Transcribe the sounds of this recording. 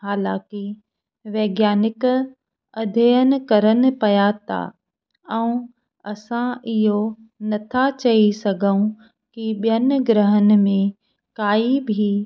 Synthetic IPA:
ɦaːlã̰ːki | ʋeːɡjaːnɪk | ɐd̪ʱejənɪ̆kɐɾənɪ̆pɐjat̪a̰ | ɛũ | ɐsãɪɦo | nɐt̪ʰat͡ɕɐisɐɡʱəũ | kiɓijənɪ̆ɡɾəɦənɪ̆mẽ | kaːibʱi

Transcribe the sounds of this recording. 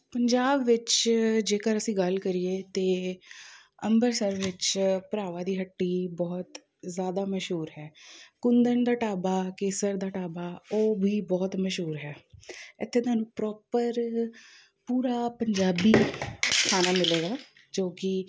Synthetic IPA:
pəɲd͡ʒaːbʋɪt͡ʃd͡ʒeːkəɾəsĩːɡəlkəɾieːt̪eː | əmbəɾsəɾʋɪt͡ʃpəɾaːʋaːd̪iːɦəʈːiːbɔːt̪ | zjaːd̪aːməʃɦuːɾɦɛːkʊnd̪ənd̪aːʈaːbaːkeːsəɾd̪aːʈaːbaːoːbʱiːbɔːt̪məʃɦuːɾɦɛːɪt̪ʰːeːt̪aːnũːpɾɔːpəɾ | puːɾaːpəɲd͡ʒaːbiːkʰaːnaːmɪleːɡaː | d͡ʒoːkɪ

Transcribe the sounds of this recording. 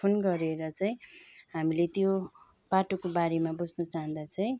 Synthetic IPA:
onɡʌɾeɾʌt͡saj̃ɦamilet̪jo | b̥aʈokobaɾemabud͡znʌt͡saɦũnd̪at͡sʌj̃

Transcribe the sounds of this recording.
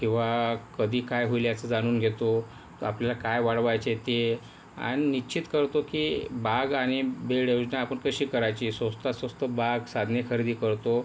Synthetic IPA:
kĩw̃ʋakəd̪ʱiːkajɦuiljat͡səd͡zaɽ̃uːnɡʱet̪o | apljalakajʋaɽʋajt͡set̪e | a̰ñinit͡ɕʰit̪kəɾt̪okibaɡaɽ̃ibeɽewd͡ʑnaapəɳkəɕiːkəɾajt͡ɕiːsəst̪asəst̪əbaɡsad̪ʱnekʰəɾid̪iːkəɾt̪o

